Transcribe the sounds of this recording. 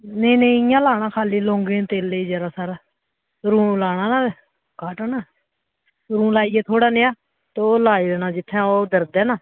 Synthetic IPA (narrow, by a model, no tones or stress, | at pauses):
nəiːnə̃ĩɪjãːlaːɽaːkʰaːliːloːŋɡẽːt̪eːlːeiːd͡ʒəɾaːsaːɾa | ɾũːlaːɽ̃aːnaː | kaːʈənaː | ɾũːlaːiːɛːt̪ʰoːɽaːneaː | t̪ːoːlaːiːd̪eːnaːd͡ʒɪt̪ʰːãːoːd̪əɾd̪ɛːnaː